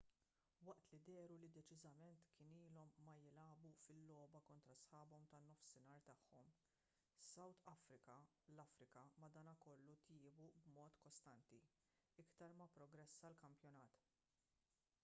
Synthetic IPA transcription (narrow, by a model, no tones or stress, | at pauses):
wɐʔt̪lid̪ɛːɾulid̪ɛt͡ʃɪzɐmɛnt̪kɪniːlɔmːɐjɪlɐːbufɪlːɔːbɐkɔnt̪ɾɐsħɐːbɔmt̪ɐnːɔfsɪnɐːɾt̪ɐħːɔm | sɐwt̪ɐfɾɪkɐ | lɐfɾɪkɐmɐd̪ɐːnɐkɔlːut̪jɪːbubmɔːt̪kɔst̪ɐnt̪i | ɪkt̪ɐɾmɐpɾɔɡɾɛsːɐlkɐmpjɔnɐːt̪